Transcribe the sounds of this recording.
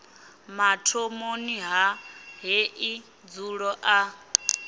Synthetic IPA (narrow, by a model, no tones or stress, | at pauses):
matʰomoniɦaɦeʔi | d͡zuɺɔʔa